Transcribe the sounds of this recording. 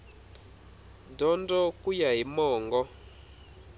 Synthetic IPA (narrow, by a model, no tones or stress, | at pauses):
dɔndɔkujaɦimɔːŋɡɔ